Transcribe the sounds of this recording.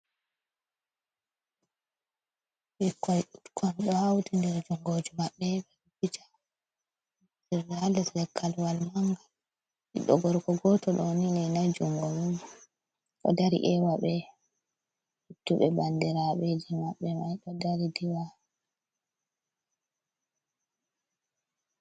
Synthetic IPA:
ɓikːɔjutkʰɔnɗɔhawtindɛɾd͡ʒuŋɡod͡ʒumaɓːɛɓɛubid͡ʒḁ | dɛɾdɛhalːɛtlɛkʰːalwalmaŋɡa | iɗːɔ̰ɡɔɾkɔɡɔtɔɗɔnilɛnajd͡ʒuŋɡomud͡ʒu | ʔɔ̰daɾḭʔɛwaɓɛ | hitːuɓɛbandiɾaɓɛd͡ʒimaɓːɛmajɗɔdaɾidiwa

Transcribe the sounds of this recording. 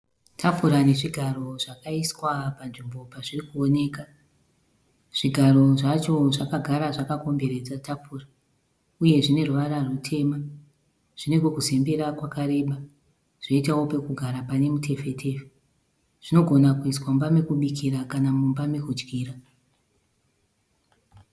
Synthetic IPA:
tʰapuɾane̞ʐiɡʱaro̞ʐakaiswapanʐimbo̞paʐirikuo̞ne̞ːka | ʐ̥iɡʱaɾo̞ʐat͡ʃo̞ʐakaɡʱaɾaʐakako̞mbe̞ɾe̞d͡zatapura | uje̞ʐine̞ruʋaɾarutʰe̞ma | ʐ̥ine̞ɡwokuzembeɾakwakaɾe̞ːɓa | ʐ̥o̞itawo̞pe̞kuɡʱaɾapane̞mutʰe̞fe̞tʰe̞fe | ʐ̥ino̞ɡʱo̞nakuiswambame̞kuɓikiɾakanamumbame̞kud͡ʒɡiːra

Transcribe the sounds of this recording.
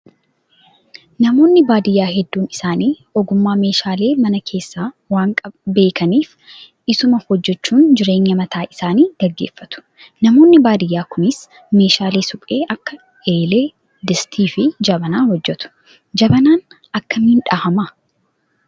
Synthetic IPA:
nɐmo̞ːnːɪbaːd̪ɪjːaːhɛd̪ːuːnɪsaːniː | ɔɡʊmːaːme̞ːʃaːle̞ːmɐnɐkʰe̞ːsːaː | waːŋkʼɐbe̞ːkɐniːf | ʔɪsʊmɐhɔd͡ʒːɛt͡ʃːuːnd͡ʒɪɾe̞ːɲːɐmɐt̪ʰaːʔɪsaːniːɡ̥ɐɡːeːfːɐt̪ʊ̥ | nɐmoːnːɪbaːd̪ɪjːaːkʰʊmɪs | me̞ːʃaːleːsʊkʼeːʔɐkːɐ | eːle̞ː | d̪ɪst̪ʰiːfɪd͡ʒɐbɐnaːhɔd͡ʒːɛt̪ʊ̥ | d͡ʒɐbɐnaːn | ɐkːɐmɪnᶑahɐmɐ

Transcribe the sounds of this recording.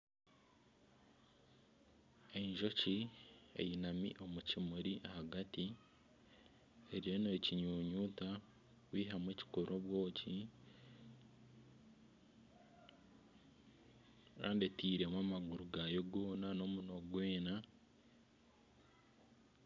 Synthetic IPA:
e̞ɲʒo̞ciḛjinamḭʔo̞mucimuɾiʔahaɡati | eɾijo̞neːciɲuːɲuːta | wiːɦamweːci̥koɾʔoβwo̞ːci | ka̰ːndetiːɾe̞mwaːmaɡuɾuɡajoɡoːnano̞muno̞ɡweːna

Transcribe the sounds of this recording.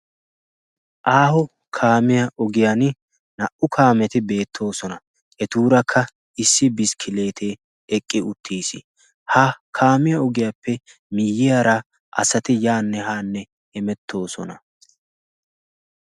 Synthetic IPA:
ʔaːhɔ | kʰaːmɪjɐʔɔɡɪjan | nɐʔʊkʰaːmɛt̪ɪbe̞ːt̪ʰːo̞ːsɔnɐ | ɛt̪uːɾɐkʰːɐ | ɪsːɪbɪskʰɪle̞ːt̪ʰeː | ɛkʼːɪʊt̪ʰːiːsɪ̰ | hɐkʰaːmɪjɐɔɡɪjapʰːɛ | mɪjːɪjaɾɐ | ʔɐ̰sɐt̪ɪjaːnːɛɦaːnːɛ | ɛmɛt̪ːo̞ːsɔ̰nɐ

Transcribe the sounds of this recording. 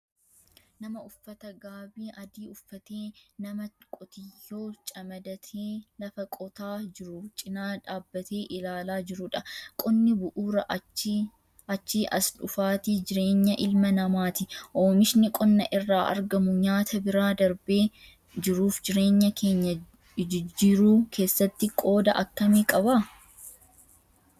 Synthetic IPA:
nɐmɐʊfːɐt̪ɐɡaːbiːʔɐd̪iːʊfːɐt̪eːnɐmɐkʼɔt̪ɪjːoːt͡ʃʼɐmɐd̪ɐt̪ʰeːlɐfɐkʼɔt̪aːd͡ʒɪɾʊt͡ʃʼɪnaːᶑaːbːɐt̪ʰe̞ːʔɪlaːlaːd͡ʒɪɾʊᶑɐkʼɔnːɪbʊʔuːɾɐʔ | ɐt͡ʃːiːʔɐsᶑʊfaːt̪id͡ʒɪɾe̞ːɲːɐʔɪlmɐnɐmaːt̪ɪʔoːmɪʃnɪkʼɔnːɐʔɪrːaːʔɐ̰ɾɡɐmʊɲaːt̪ɐbɪɾaːd̪ɐɾbe̞ː | d͡ʒɪɾuːfd͡ʒɪɾe̞ːɲːɐke̞ːɲːɐ | d͡ʒɪɾuːkʰe̞ːsːɐt̪ːɪkʼo̞ːd̪ɐ̰ʔɐkːɐmeːkʼɐba

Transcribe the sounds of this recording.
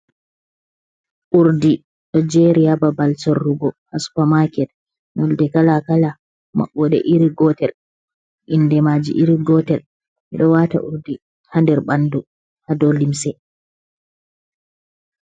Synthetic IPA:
ʔuɾdi | ɗɔd͡ʒɛɾiababalsɔrːuɡɔhaspamakɛt̚ | nɔldɛkalakala | ma̰ɓːɔɗɛ̰ʔiɾiɡɔtɛl | ʔindɛmad͡ʒḭʔiɾiɡɔtɛl | miɗɔwata̰ʔṵɾdi | handɛɾɓandu | hadɔlimsɛ

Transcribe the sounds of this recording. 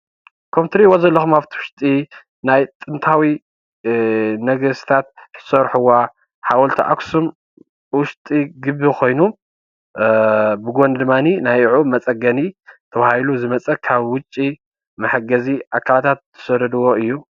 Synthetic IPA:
kʰomt̪ʰɾiwozɐlːɐxumaβt̪ʰiwʊʃt̪ʼi | najt̪ʼɨnt̪ʰawi | nɐɡɐst̪ʰat̪̚t̪ɨ̥sɐɾħuwa | ħawɐlt̪ʰiʔa̰ksum | wʊʃt̪ʼiɡɨbːikʰo̞jnu | bɨɡond̪ɨmːaninajʕumɐt͡sʼɐɡɐnit̪ʰɐβahiluzɨmɐt͡sʼɐkʰaβwʊt͡ʃʼːi | mɐħɨɡɐziʔakʰːalat̪ʰat̪ːʰɨ̥sɐɾɐd̪ɨwoɨjːu

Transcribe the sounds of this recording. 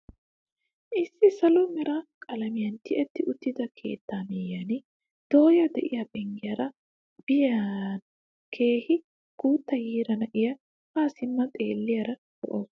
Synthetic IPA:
ʔɪsːɪsɐlʊmɪɾɐkʼɐlɐmɪjɐnt̪ɪʔɛt̪ːɪʔʊt̪ːɪd̪ɐkʰe̞̰ːt̪ːaːmɛjːɐnɪ | d̪̥o̞ːjɐd̪ɛʔɪjɐbɛŋɡɪjɐɾɐ | b̥ɪjɐn | kʰe̞ːhɪ | ɡ̥uːt̪ːɐjiːɾɐnɐʔɪjɐ | kaːsɪmːɐt̪ʼe̞ːlːɪjɐɾɐd̪ɔ̰ʔɔ

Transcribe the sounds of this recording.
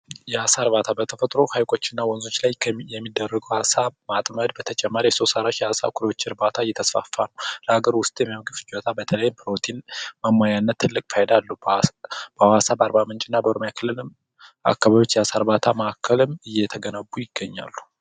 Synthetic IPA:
jɛasaɾβat̪ʰabət̪ʰəfət̪ʼɾo̞hajkʼo̞t͡ʃːɪnːawɔnzot͡ʃːlajʰjɛmːid̪ːərːəɡəwhasamat̪ʼməd̪bət̪ʰət͡ʃʼɛmːaɾjɛso̞saɾaʃjɛasa̰kʷʰulwot͡ʃːɪɾbat̪ʰaɨjːɛt̪ʰəsfa̰fːa̰nəwləhaɡəɾwʊst̪ʼjɛmimɡɨft͡ʃʼot̪ʰabət̪ʰələjːɪmpɨɾo̞t̪ʰinməmːajanːət̪ːɨlːɨkʼfəhɛd̪alːu | b̥əwasabəaɾbamɨnt͡ʃʼɪnːabəoɾomjakʰɨlːɨlɨm | ʔa̰kːaβaβjot͡ʃːjɛasaɾβat̪ʰaməakʰːəlɨmɨjːɛt̪ʰəɡənəbːujɪɡːəɲːa̰lːu

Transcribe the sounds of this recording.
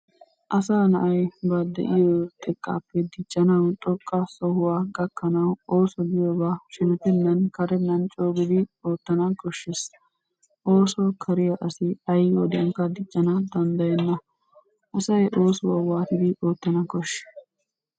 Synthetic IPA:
ʔɐsaːnɐʔɐjbɐd̪ɛ̰ʔɪjɔt̪ʼɛkʼːa̰ːpːɛd̪ɪt͡ʃʼːɐnɐwt̪ʼɔkʼːɐsɔhʊwaːɡɐkːɐnɐwo̞ːsɔɡɪjoːbaːʃɛnɛt̪ɛnːɐnkɐɾɛnːɐnt͡ʃʼo̞ːɡɪd̪ɪo̞ːt̪ːɐnɐkɔʃːɪs | ʔo̞ːsɔkʰɐɾɪjɐʔɐsɪɐjwɔd̪ɪɐŋkɐd̪ɪt͡ʃʼːɐnɐd̪ɐnd̪ɐjɛnːɐ | ʔɐsɐjʔo̞ːsʊwaːwaːt̪ɪd̪ɪʔoːt̪ːɐnɐkɔʃ

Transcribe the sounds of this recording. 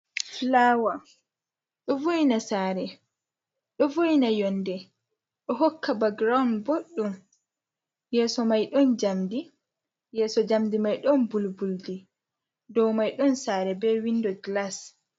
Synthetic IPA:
flawa | ɗɔvojnasaːɾɛ | ɗɔvojnajɔndɛ | ɗɔɦɔkʰːabaɡɾawnboɗːum | jɛːsɔmajɗɔnd͡ʒamdi | jɛːsɔd͡ʒamdimajɗɔnbulbuldi | dɔwmajɗɔnsaːɾɛbɛwindɔɡlas

